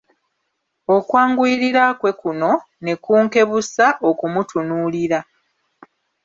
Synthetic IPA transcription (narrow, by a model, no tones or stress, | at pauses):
o̞kwaːŋɡwiɾiɾakwe̞kuno̞ | ne̞kuːŋke̞βusaʔo̞kumutunuːliɾa